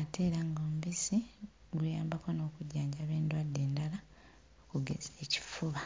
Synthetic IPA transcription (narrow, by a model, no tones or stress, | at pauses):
ate̞ːɾaŋɡoːmuβisi | ɡwujaːmbako̞no̞ːkuɟːaːɲɟaβe̞ːndwadːe̞ːndala | okuɡe̞̰zeːci̥fuβa